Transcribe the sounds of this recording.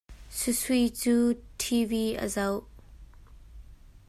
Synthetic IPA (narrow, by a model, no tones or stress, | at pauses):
susujt͡suːtʰiviʔə̰zɐw